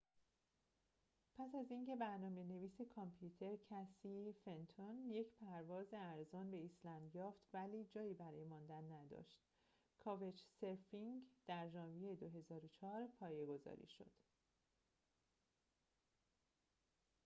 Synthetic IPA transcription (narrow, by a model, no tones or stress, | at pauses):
pʰæs̬æziːŋcʰe̞bæɾnɒːme̞ne̞viːsekʰɒmpʰjut̪ʰe̞ɾcʰæsiːfe̞nt̪ʰonje̞cʰpʰæɾvɒːzeæɾzɒːnbe̞islænjɒːft̪væliːd͡ʒɒːjiːbæɾɒːjemɒːnd̪ænːæd̪ɒ̰ːʃt̪ | kʰɒːvet͡ʃse̞ɾfiŋd̪̥æɾʒɒːnvijejed̪o̞ɦe̞zɒːɾot͡ʃʰɒːɾpʰɒːje̞ɡo̞zɒ̰ːɾḭːʃo̞̰d̪̥